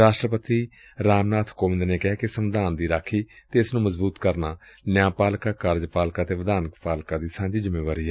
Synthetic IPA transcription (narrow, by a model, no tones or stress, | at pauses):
ɾaːʃʈɾəpət̪iː | ɾaːmnaːt̪ʰkoːʋɪ̃nd̪neːkɪɦaːkɪsəmd̪aːnd̪iːɾaːkʰiːt̪eːɪsnũːməzbuːt̪kəɾnaːnjãːpaːlkaːkaːɾd͡ʒpaːlkaːt̪eːʋəd̪aːnpaːlkãːd̪iːsãːɲd͡ʒiːd͡ʒəmeːʋaːɾiːɛ